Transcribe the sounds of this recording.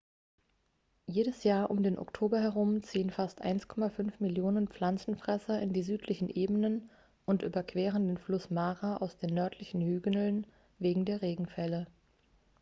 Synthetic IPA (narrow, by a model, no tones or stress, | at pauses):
jeːɾəsjaːɐʔʊmdeːnʔɔ̰ktʰoːbɐɦɛʁ̞ʊmt͡siːənfastʔa̰ɪnskʰɔmafʏnfmɪljoːnənpp͡flant͡sn̩fʁ̥ɛsɐɪndiːzyːtʰlɪçn̩ʔeːbənən | ʔʊntʔyːbɐkv̥ɛːʁəndeːnflʊsmaːʁaʔa̰ʊsd̥eːnːœɐtʰlɪçn̩hyːɡənl̩n | veːɡŋ̩deːɐʁeːɡŋ̩fɛlə